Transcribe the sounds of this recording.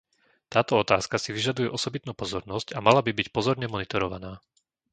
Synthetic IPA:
t̪aːt̪ɔɔt̪aːskasiʋiʒad̪ujɛʔɔsɔbit̪nuːpɔzɔɾnɔscamalabibicpɔzɔɾɲɛmɔnit̪ɔɾɔʋa̰naː

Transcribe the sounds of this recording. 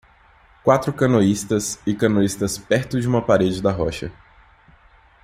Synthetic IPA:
kwat̪ɾʊkɐ̃noist̪ɐsɪkɐ̃noist̪ɐspɛɾt̪ʊd͡ʒɪũmɐpaɾed͡ʒɪd̪ɐɦɔ̰ʃɐ̰

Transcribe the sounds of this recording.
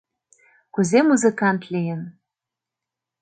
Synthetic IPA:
kuzemuzɨ̆kɑnt̪lʲejɘ̆n

